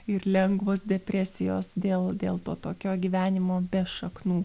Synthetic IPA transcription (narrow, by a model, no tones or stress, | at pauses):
ɪɾlʲɛŋɡʋoːsd̪ʲɛpʲɾʲæsʲɪjo̰ːsd̪ʲeːlˠd̪ʲeːlˠt̪oːt̪oːkʲoːɡʲiːʋʲæːnʲɪmoːbʲɛʃɐknuː